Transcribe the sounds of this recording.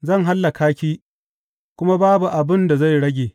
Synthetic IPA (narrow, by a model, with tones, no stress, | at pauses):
zɐ˦˨ŋɦa˦lːa˨kaː˦kʲiː˦ | kʷʊ˦ma˦baː˦bu˨ʔa˨bɪ˦nda˨za˦˨jɽɐ˦ɡʲeː˨